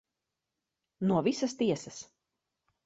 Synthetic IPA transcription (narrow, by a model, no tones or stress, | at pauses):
nuɔvisɐst̪iɛsɐs